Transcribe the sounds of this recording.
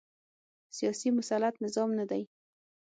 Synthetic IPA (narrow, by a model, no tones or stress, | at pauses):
sijɑsimʊsalat̪nɪzɑmnad̪aj